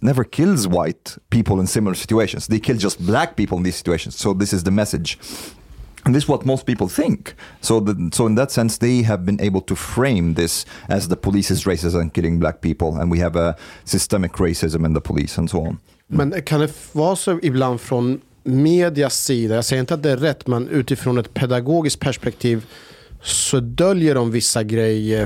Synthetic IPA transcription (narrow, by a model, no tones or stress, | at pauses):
nɛvə˞kʰɪlˠzwaɪt̚pipl̩ˠə̃nsɪ̃ml̩ˠə˞sɪ̥t͡ʃʉeɪʃɨ̃nz̥ðeɪkʰɪlˠd͡ʒʌst̚blæk̚pipl̩̃ˠnðizsɪ̥t͡ʃʉeɪʃə̃nz̥soʊðɪsɨzðɨmɛsɨd̥d͡ʒ | nðɪswʌt̚moʊst̚pipl̩ˠθɪ̃ŋksoʊðsoʊɨ̃nðətsɛ̃nsðeɪɨvbɨ̃nʔḛɪbəl̩ˠtʰɨfɹẽɪ̃mðɪsʔɨzðəpʰəlisɨzɹeɪsɨzɨ̃nkɪlˠɪ̃ŋblæ̰k̚pipl̩ˠə̰̃nwiɨvəsɨstɛmɨkʰɹeɪsɪzə̃mə̃nðəpʰəlḭsə̃nsoʊɑ̰̃n | mɛnkʰand̪ɛvɑːsɔɪbland̪fɾɔn | meːd̪ɪasiːd̪ajɑːɡsɛjəɾɪnt̪əat̪̚d̪ɛæːɛt̪ːmɛnʔʉ̟ːt̪ɪfɾoːnɛt̪pʰɛd̪aɡoːɡɪskt̪̚pʰæʂpɛk̚t̪ʰiːv | sɔd̪œljəɖɔmvɪsːaɡɾɛjːə